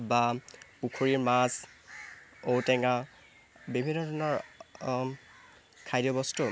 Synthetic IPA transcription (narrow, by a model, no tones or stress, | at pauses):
bapukʰoɹiɹmas | owtɛŋa | bibʱinːɔtʰɔnɔɹ | kʰajdjɔbɔstu